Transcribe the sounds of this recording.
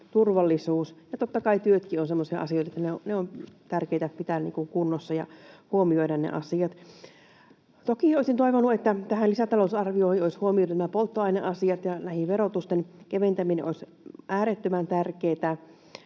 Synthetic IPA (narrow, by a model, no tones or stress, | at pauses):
t̪urʋɑlːisuːsjɑt̪ot̪ːɑkɑit̪yøt̪kionsemːosiɑ̰ʔɑ̰sioit̪ɑet̪ːæneoneomt̪ærkeˑit̪æpit̪ænnḭːŋkuŋkunːosːɑjɑ̰huomioidɑnnḛʔɑ̰siɑt̪ | t̪okioˑisint̪oiʋonːuet̪ːæt̪æhænlisæt̪ɑlousɑrʋioˑhioishuomiot̪næmæpolt̪ːoɑineʔɑsiɑt̪jɑnæhiʋʋerot̪ust̪enkeʋent̪æminḛʔois | ʔæːɾet̪ːømænt̪ærkeːt̪æ